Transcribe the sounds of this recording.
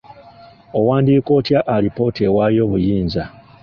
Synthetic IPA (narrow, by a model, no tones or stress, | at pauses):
o̞waːndiːko̞ːtjaʔːɾipo̞ːtewaːjoːβujiːnza